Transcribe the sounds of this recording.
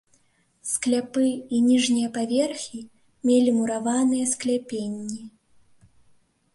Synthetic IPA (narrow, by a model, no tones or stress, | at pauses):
sklʲapɨinʲiʐnʲijɐpavʲɛrxʲi | mʲelʲimuɾavanɨjɐsklʲapʲenʲːi